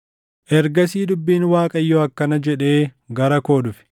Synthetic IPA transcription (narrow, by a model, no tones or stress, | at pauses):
ʔɛɾɡɐsiːd̪ʊbːiːnwaːkʼɐjːoːɐkːɐnɐd͡ʒɛᶑe̞ː | ɡɐɾɐko̞ːd̪ʊfɪ̥